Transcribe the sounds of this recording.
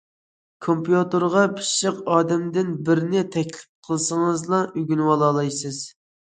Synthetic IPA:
kʰompjut̪ɨɾʁɑpʰɨ̥ʃəqɑːd̪ɛmd̪ɪnbɪɾnɪt̪ʰɛkʲlɪp̚qʰəlˠsəŋəzlˠɑʔyɡʲynwɑlˠɑlˠɑjsɨz̥

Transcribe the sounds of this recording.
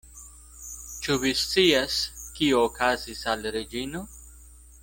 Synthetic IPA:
t͡ʃuvist͡siaskioːkʰazisalɾed͡ʒino̞

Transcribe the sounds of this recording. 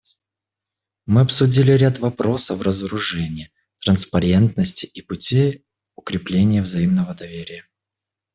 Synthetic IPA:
mɨɐpsʊdʲilʲɪɾʲat̪vɐpɾo̞səfrəzəɾʊʐɛnʲɪjə | t̪ɾənspɐɾʲe̞nt̪nəsʲtʲɪʔipʊtʲej | ʊkɾʲɪplʲenʲɪjəvzɐimnəvəd̪ɐvʲeɾʲɪjə

